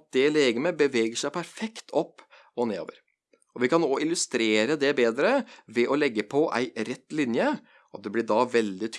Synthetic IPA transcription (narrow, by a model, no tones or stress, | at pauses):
d̪ɛleːɡəmɛbəʋɛːɡəʂæɪpʰæɾfɛkt̪ʰɔpː | ɔneːo̰ːʋəɾ | ɔʋɪkɑnoːɪlʉst̪ɾeːɾəd̪ɛbeːd̪ɾəʋɛʔɔlɛɡːəpʰɔʔæ̰ɪɾɛt̪ːlɪnjə | ʔɑt̪̚d̪ɛblɪɖɑʋɛld̪ɪt̪ʰ